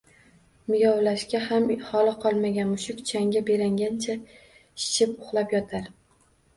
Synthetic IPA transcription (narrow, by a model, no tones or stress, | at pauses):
mɪjɒwlaʃkʲahamhɒlɨqʰɒlˠmaɡʲanmʊʃʊkʲt͡ʃʰaŋɡʲabe̞ɾaŋɡʲant͡ʃʰa | ʃɪ̥ʃʰɪpʊχlˠapjɒt̪ʰaɾ